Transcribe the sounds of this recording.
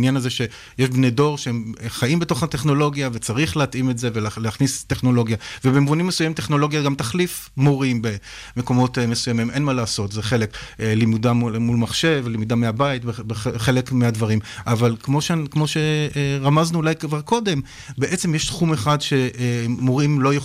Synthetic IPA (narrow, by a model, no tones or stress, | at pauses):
njanazeʃe̞ | jeʃbne̞jdo̞ʁʃeemχajimbeto̞χhateχno̞lo̞ɡjavet͡saʁiχleatʔimetze̞velleaχnisteχno̞lo̞ɡjavebemvunimːesujamimt̪e̞χno̞lo̞ɡjaɡamtaχlifmoʁimbe̞ | meko̞mo̞tmesujamimʔe̞nmalaːso̞tzeχe̞le̞klimudamumulmaχʃe̞vlimudameabaitbebeχχe̞lekmeadvaʁimʔavalkmo̞ʃekmo̞ʃe̞ʁamaznuːlajkvaʁko̞de̞m | beʔe̞t͡semjeʃtχumeχadʃe̞moʁimlo̞je